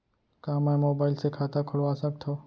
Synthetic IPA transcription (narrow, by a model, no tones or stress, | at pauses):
kãːmamoːbaːɪlsekʰaːt̪akʰʊɽʋaːsək̚t̪ʰɦoː